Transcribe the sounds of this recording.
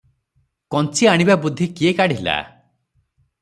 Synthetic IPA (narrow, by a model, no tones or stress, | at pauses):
kɔnt͡ʃiaɽ̃ibabud̪ʱːikiekaɽ̤ila̰